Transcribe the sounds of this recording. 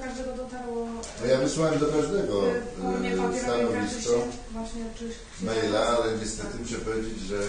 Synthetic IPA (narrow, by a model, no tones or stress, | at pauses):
d̪ɛ | nɔjavɘswawɛmd̪ɔkaʐd̪ɛɡɔ | st̪anɔvʲistt͡ʂa | mɛjlaalɛɲɛst̪ɛt̪ɘmuɕɛpɔvʲjed͡ʑed͡ʑʐɛ